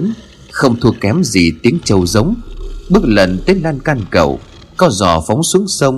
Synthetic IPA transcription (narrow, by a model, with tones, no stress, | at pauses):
n | xə˧wŋ͡mt̪ʰu˧əkːɛ˨˦mzḭ˨˩t̪i˨˦əŋt͡ɕə˨˩wzə˨˦wŋ͡mɓɨ˦˥ək̚lə˨˩nt̪e˨˦n̚laː˧nkaː˧nkə̰˨˩w | kɔ˧zɔ̰˨˩fa˨˦wŋ͡msɨ˨˦əŋsə˧wŋ͡m